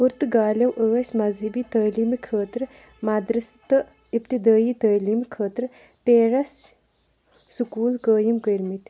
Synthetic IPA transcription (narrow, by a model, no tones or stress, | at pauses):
uɾt̪ɡaːlɐwʔəːsʲmɐzɦɐbiːt̪əːliːmkʰəːt̪ɾ | maːd̪ɾɐst̪ɨ | ipt̪id̪aːjit̪əːliːmkʰəːt̪ɾ | peːɾɐs | sukuːlkəːjimkəɾmit̪